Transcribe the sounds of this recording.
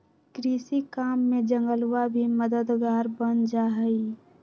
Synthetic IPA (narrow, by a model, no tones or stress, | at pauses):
kɾiːsikaːmːẽd͡ʒə̃ŋɡəlwabʱiməd̪əd̪ɡaːɾbənd͡ʒaɦəi